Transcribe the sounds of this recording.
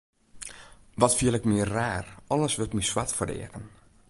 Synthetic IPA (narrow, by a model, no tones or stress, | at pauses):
ʋɔtfiəlɛkmɪərːaːrɔləsʋɪltmiswatfərdɛ̰əkən